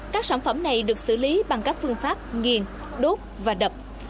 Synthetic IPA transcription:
kaː˦˥k̚saː˧˩nfə˧˩mna˨˩jɗɨ˨˩ək̚sɨ̰˧˩li˨˦ɓa˨˩ŋkaː˦˥k̚fɨ˧əŋfaː˦˥p̚ŋi˨˩ən | ɗo˦˥t̚vaː˨˩ɗə˨˩p̚

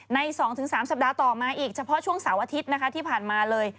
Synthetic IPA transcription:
na˧jsɔː˩˦ŋt̪ʰɯ˩˦saː˩˦msa˨˩p̚daː˧t̪ɔː˨˩maː˧ʔiː˨˩k̚t͡ɕʰa˧pʰɔ˦˥t͡ɕʰu˥˩əŋsaː˩˦wʔaː˧t̪ʰi˦˥t̪̚na˦˥kʰa˦˥t̪ʰiː˥˩pʰaː˨˩nmaː˧lɤː˧j

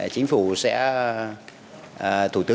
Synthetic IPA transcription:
t͡ɕï˨˦ŋ̟fu˧˩sɛ̰˧˥˨ | t̪ʰu˧˩t̪ɨ˨˦

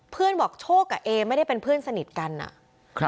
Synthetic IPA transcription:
pʰɯ˥˩ənbɔː˨˩k̚t͡ɕʰoː˥˩kːa˨˩ʔeː˧ma˥˩jda˥˩jpe˧npʰɯ˥˩ənsa˧ni˨˩t̪̚ka˧nʔa̰˨˩

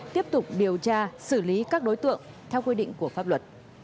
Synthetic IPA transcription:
t̪i˦˥əp̚t̪ʊ˨˩k͡p̚ɗi˨˩əwt͡ɕaː˧sɨ˧˩li˨˦kaː˦˥k̚ɗo˨˦jt̪ɨ̰˧˨əŋ | t̪ʰɛ˧wkwi˧ɗḭ˧˨ŋ̟ku˧˩əfaː˦˥p̚lwə˨˩t̚

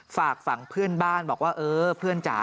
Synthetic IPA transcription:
faː˨˩k̚fa˨˩˦ŋpʰɯ˥˩ənbaː˥˩nbɔː˨˩k̚waː˥˩ʔɤː˧pʰɯ˥˩ənt͡ɕa̰ː˨˦

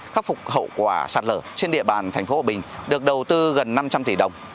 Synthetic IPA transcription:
xa˦˥k̚fʊ˨˩k͡p̚ɦə̰˧˨kwaː˧˩saː˨˩t̚ləː˧˩t͡ɕe˧nɗḭ˧˨əɓaː˨˩nt̪ʰa˨˩jŋ̟fo˨˦haː˨˩ɓï˨˩ŋ̟ɗɨ˨˩ək̚ɗə˨˩wt̪ɨ˧ɣə˨˩nːa˧mt͡ɕa˧mt̪i˧˩ɗə˨˩wŋ͡m

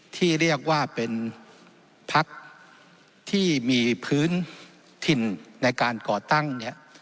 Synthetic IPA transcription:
t̪ʰiː˥˩ɾi˥˩ək̚waː˥˩pe˧n | pʰa˦˥k̚ | t̪ʰiː˥˩miː˧pʰɯː˦˥n | t̪ʰi˧nːa˧jkaː˧nkɔː˨˩t̪a˥˩ŋni˦˥ɐ

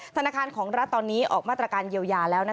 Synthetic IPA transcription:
t̪ʰa˧naː˧˩kʰaː˧nkʰɔː˩˦ŋɾa˦˥t̪ːɔː˧nːiː˦˥ʔɔ̰ː˨˩k̚maː˥˩t̪ɾa˧kaː˧njiː˧əwjaː˧lɛː˦˥wna˦˥

